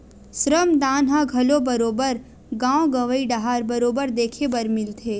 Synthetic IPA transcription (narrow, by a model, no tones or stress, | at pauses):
sɾəmd̪aːnɦãɡʱɐlobɐɾoːbəɾ | ɡãːwõɡɐʋəiɖaɦaːɾbɐɾoːbəɾd̪eːkʰebɐɾmɪlt̪ʰeː